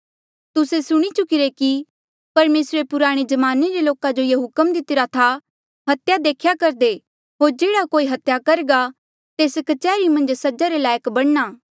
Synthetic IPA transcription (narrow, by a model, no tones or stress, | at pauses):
t̪ʊsesʊɽ̃it͡ʃʊkɪɾeki | pɐɾmeːsɾepʊɾaːɽ̃ed͡ʒɐmaːneɾeloːkad͡ʒojeɦʊkəmd̪ɪt̪ɪɾat̪ʰa | ɦɐt̪jad̪eːkʰjakɐɾd̪e | ɦoːɾd͡ʒeːɽakoːiɦɐt̪jakɐɾɡa | t̪eːskɐt͡ʃɛːɾimɐ̃nd͡ʒsɐd͡ʒaɾelaːjəkbɐɽ̃naː